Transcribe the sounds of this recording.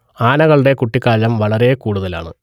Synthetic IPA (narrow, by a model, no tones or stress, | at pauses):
aːnɐɣɐɭuɽe̞kuʈːikːaːlɐmʋɐɭɐɾe̞kuːɽuðɐla̰ːɳɨ̰